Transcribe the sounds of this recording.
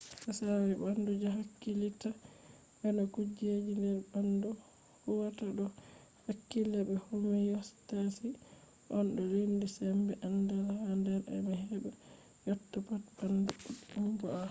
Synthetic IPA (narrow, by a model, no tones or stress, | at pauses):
asawɛbandud͡ʒaɦakːilita | ʔɛnɔkud͡ʒed͡ʒindɛɾbandɔ | huwataɗɔ | hakːilɛbɛhumɛjɔstasi | ʔɔnɗɔlendisɛmbɛʔandalhandɛɾɛ̰nɔɦɛba | jɔtːɔpatbanduuumbɔa